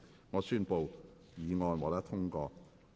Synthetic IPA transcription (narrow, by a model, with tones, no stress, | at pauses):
ŋɔː˨˧syː˥npo˨w | jiː˨˧ŋɔː˧nwɔː˨˥t̪ɐ˥t̪ʰʊ˥ŋkɔː˧